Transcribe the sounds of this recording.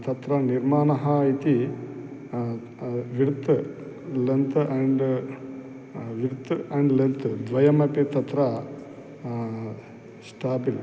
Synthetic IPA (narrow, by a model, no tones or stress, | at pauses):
t̪ɐt̪ɾɐniɾmaːnɐɦɐit̪i | ʋiɽt̪ | lent̪ʔɐɳɖ | ʋiɽt̪ɐɳɖlent̪ɨd̪ʋɐjɐmɐpit̪ɐt̪ɾɐ | sʈaːbil